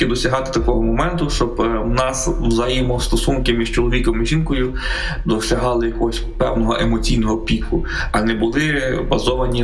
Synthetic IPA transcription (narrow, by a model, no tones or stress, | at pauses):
ɪd̪ɔsʲɐɦɑt̪ɪ̥t̪ɐkɔɦɔmɔmɛnt̪ʊʃt͡ʃɔbwnɑswzɐjimɔst̪ɔsunkɪmʲiʒt͡ʃɔlˠɔʋʲikɔmɪʒinkɔjʊ | d̪ɔʃlʲɐɦɑlˠɪjɐkɔɦɔsʲpɛ̰wnɔɦɔʔemɔt͡sʲijnɔɦɔpʲikʊ | ɐnɛbʊlˠɪbɐzɔʋɐnʲi